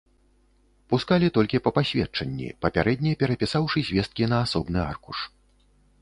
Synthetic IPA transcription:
puskalʲit̪ɔlʲkʲipɐpasʲvʲɛt͡ʂɐnʲːḭpɐpʲaɾɛd̪ʲnʲipʲɛɾɐpʲisawʂɨzʲvʲɛst̪̚kʲinɐːsɔbnɨa̰rkuʂ

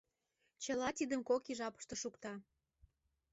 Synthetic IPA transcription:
t͡ɕəlɑt̪id̪əmkokiʒɑpə̥ʃt̪ŏʃukt̪ɑ

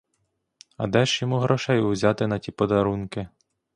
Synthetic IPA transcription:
ɐ̰d̪ɛʃjɔmuɦɾɔʃɛjʊwzʲɑt̪ɪnɐtʲipɔd̪ɐɾunkɪ

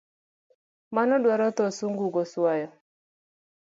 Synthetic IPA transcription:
manɔɗwaɾɔt̪ɔsuŋɡuɡɔsuajɔ

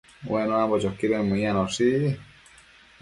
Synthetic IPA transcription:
wɛnɔ̃ambɔt͡ʃɔkːiɾemũianɔsi

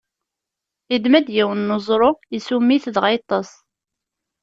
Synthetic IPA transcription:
id̪mæd̪jæwənːozˤɾˤojəsumːiθðʁɑjt̪ˤːɑsˤ

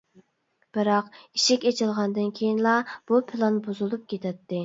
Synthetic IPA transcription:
b̥ɨɾɑqiʃɪkʲet͡ʃʰilˠʁɑnd̪ɨnkʲʰejinlˠɑb̥upʰɪlˠɑnbozulˠup̚kʲʰet̪ʰɛt̪ʰːɪ

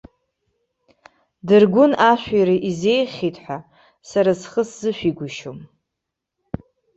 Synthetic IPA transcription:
dɨrɡʷʊnaʃʷᶣiɾaʔizejχʲitʼħʷa | saɾasχəszɨʃᶣʷiɡʷʊʃom

